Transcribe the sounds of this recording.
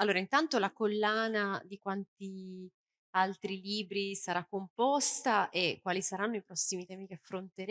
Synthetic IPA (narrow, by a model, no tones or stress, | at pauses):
alːoːɾaint̪ant̪olakolːaːnad̪ikwant̪i | alt̪ɾiliːbɾisaɾakːompɔst̪aʔekːwaːlisaɾanːoipɾɔsːimit̪ɛːmikeafɾont̪eɾ